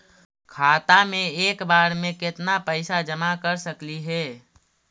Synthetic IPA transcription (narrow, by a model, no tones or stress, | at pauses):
kʰaːt̪amẽeːkbaːɾmẽkɪt̪napəɪsad͡ʒəmakəɾsəkliɦɛː